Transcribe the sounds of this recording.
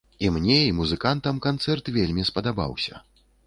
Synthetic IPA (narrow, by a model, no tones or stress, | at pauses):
imnʲɛimuzɨkant̪ɐmkant̪sɛrt̪vʲelʲmʲispɐd̪aba̰wsʲɐ̰